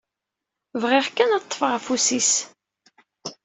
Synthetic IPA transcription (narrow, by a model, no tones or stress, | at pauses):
vʁɪʁkːænɑt̪ˤːfəʁfusis